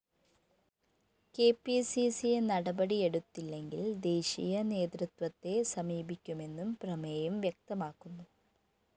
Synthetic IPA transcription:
ke̞ːpisisienɐɽɐbɐɽie̞ɽut̪ːilːe̞ŋɡild̪e̞ːɕijɐne̞ːt̪rut̪ʋɐt̪ːe̞sɐmiːbikʲːume̞nːumprɐmɐjumʋjɐk̚t̪ɐmaːkːunːu

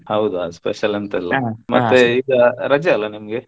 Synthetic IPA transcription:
hɐwd̪uaspeʃɐlɐnt̪ilːɐmɐ̰t̪ːeiːɡɐɾɐd͡ʒɐɐlːɐnimɐɡe

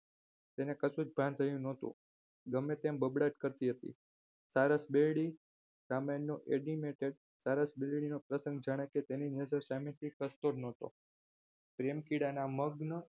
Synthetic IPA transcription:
t̪enekəsud͡ʒbʱant̪ʰəjũnot̪ṵ̃ | ɡəmːet̪embəbɽaʈkəɾt̪iɦət̪ḭ | saɾəsbelɽi | samənːoʔeɖimeʈeɖ | saɾəsbelɽinopɾəsə̃ŋɡd͡ʒaɽ̃eket̪eninəd͡ʒəɾsamẽt̪ʰikəst̪oɾnot̪o̰ | pɾemkiɽanaməɡnə

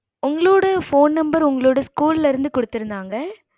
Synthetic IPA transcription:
ʊŋɡɐɭoːɽɐfoːnnɐmbɐɾʊŋɡɐɭoːɽɐskuːllɪɾɯnd̪ɯkɔɽɯt̪ːɪɾɯnd̪aːŋɡɐ

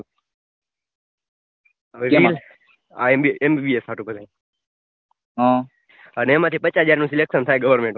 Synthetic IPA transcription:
iːl | amiembiːbiesaːʈuːpət̪e | ɦã | ənemãt̪ʰiːpət͡ʃɦəd͡ʒaːɾnũːsileksənt̪ʰaːeɡəʋəɾmẽɳʈ

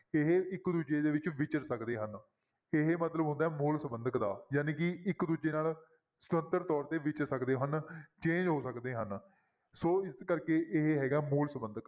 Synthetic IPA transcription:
ɪɦeɪkd̪uːd͡ʒeːd̪eːʋɪt͡ʃʋɪt͡ʃəɾsəkd̪eːɦən | ɪɦemət̪ləbɦʊ̃nd̪aːɦɛːmuːlsəmbənd̪əkd̪a̰ːjaːneːkɪɪkd̪uːd͡ʒeːnaːl | sə̥t̪ənt̪əɾt̪ɔːɾt̪eːʋɪt͡ʃəɾsəkd̪eːɦənt͡ʃẽːɲd͡ʒɦoːsəkd̪eːɦən | soːɪskəɾkeːʔɪɦɦɛːɡaːɛmuːlsəmbənd̪ək

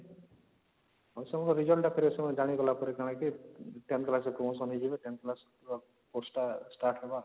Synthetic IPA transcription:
ɔsɔŋɔkɔɾid͡ʒɔlʈapʰeɾisɔmɔd͡ʒaɽ̃iɡɔlapɔɾekaɽ̃akiʈenklasɔpɾɔmosɔnɦid͡ʒibeʈenklas | posʈasʈaʈʰeba

